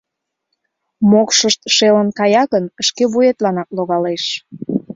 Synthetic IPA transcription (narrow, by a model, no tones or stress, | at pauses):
mokʃəʃt̪ʃelənkɑjɑɣənəʃkeβujet̪lɑnɑk̚loɣɑleʃ